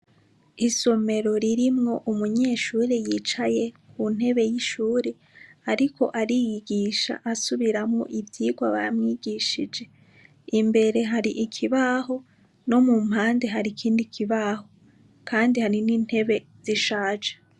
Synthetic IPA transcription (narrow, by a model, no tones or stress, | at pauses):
iso̞me̞ɾo̞ɾiɾimŋo̞ʔumuɲe̞ʃuːɾejit͡ʃaje̞kʰun̥e̞βe̞jiʃuːɾe | aɾikʰo̞̰ʔaɾijiɡiʃa̰ʔasuβiɾamŋo̞̰ʔivjiːɡwaβaɾamŋiːɡiʃid͡ʒe̞ | imbe̞ɾe̞ɦaɾiʔikʰiβaɦo̞ | no̞muːm̥haːnde̞ɦaɾikʰiːndikʰiβaɦo̞ | kʰaːndihaɾiniːn̥he̞βe̞ | z̥iʃaːd͡ʒe̥